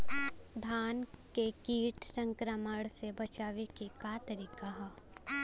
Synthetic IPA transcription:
d̪ʱaːnkekiːʈsə̃ŋkɾəməɽsebɐt͡ʃaːʋekikat̪əɾiːkaɦ

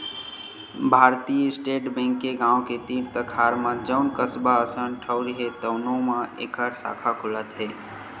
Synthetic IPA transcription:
bʱaːɾt̪ijəɪsʈeːʈbɛ̃ːŋkːeɡãːwket̪iɾt̪əkʰaːɾmãd͡ʒəʊnkəsbaəsənʈʰəʊɾɦet̪əʊnõmãʔḛːkʰəɾsa̰ːkʰakʰʊlət̪ɦeː

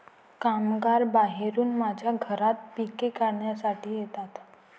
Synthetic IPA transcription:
kamɡaɾbaɦeɾuːnmad͡ʑʱjaɡʱəɾat̪̚pikekaɾɳjasaʈiːjet̪at̪

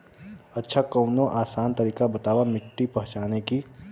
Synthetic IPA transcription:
ətːʃʰakəʊnõʔaːsaːnt̪ɐɾiːkabɐt̪aːʋamɪʈːipɐɦʊ̃t͡ʃaːneki

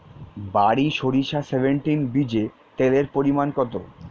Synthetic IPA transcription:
baɾiʃoɾiʃasebʱeɳʈinbid͡ʑe | t̪eleɾpoɾimankɔt̪o

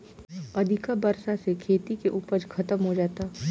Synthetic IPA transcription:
ɐd̪ʱɪkabɐɾsasekʰeːt̪ikeʔuːpəɾkʰɐt̪əmɦod͡ʒaːt̪a

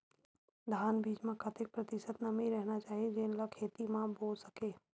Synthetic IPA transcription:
d̪ʱaːnbiːd͡ʒmẽkʰɐt̪ɪk̚pɾɐt̪ɪʃət̪nɐmĩɾɛɦnat͡ʃaːɦied͡ʒeːnləkʰeːt̪imãboːlsɐkeː

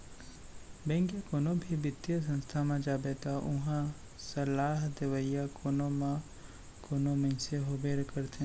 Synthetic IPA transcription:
bɛ̃ŋɡjakoːnobʱibɪt̪ːjəs̬ə̃nst̪ʰamãd͡ʒaːbet̪aʔʊɦã | sɐlaːɦd̪eʋəjakoːnomã | koːnomẽnseɦobeːɾkəɾt̪ʰẽ

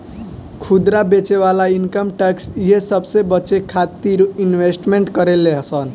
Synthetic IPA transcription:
kʰud̪ɾabet͡ʃeβalainkəmʈəksjesəbsebət͡ʃekʰat̪iɾuinwesʈmeɳʈkəɾeleɦsən

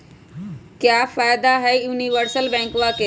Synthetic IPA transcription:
kjaːfaːjd̪aɦɛːjuːniʋəɾsəlbɛ̃ːŋkʋake

